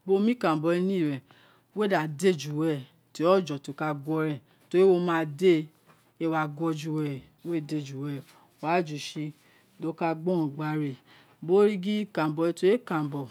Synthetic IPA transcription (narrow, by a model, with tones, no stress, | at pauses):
bo˦mĩ˦kã˨bɔ˧ɛ˧nĩ˦˨ɾɛ˨ | we˦da˨de˦˨d͡ʒu˨wɛ˧˨ | ti˨˦ɔ˦˨d͡ʒɔ˨to˨˧˦ka˧ɡʷɔ˧˦ɾɛ˨ | to˧˦i˦wo˧mãː˦˧de˦ | e˧wa˧ɡɔ˧d͡ʒu˧wɛ˧˨ | we˦˨de˧˨d͡ʒu˨wɛ˧˨ | a˨˦˨d͡ʒu˨ʃi˧ | do˧ka˧ɡ͡bɔ̃˦˨ɡ͡ba˧˨ɾe˨ | bo˦ɾi˦ɡi˦kã˨bɔ˨˧i˧to˧˦e˦kã˨m˨bɔ˨